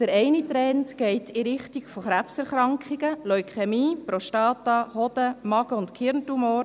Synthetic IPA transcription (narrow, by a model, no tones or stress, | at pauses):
d̥əɾɛɪnit̪ɾɛntɡ̥ɛɪtiɾɪχtiɡfoχɾæpsɛɾχɾɑŋkχiɡ̥əlɔʏkʰχɛmiːpɾɔʃtɑːt̪ɑhɔd̪̥əmɑɡəʊntkʰɪɾntumoːɾ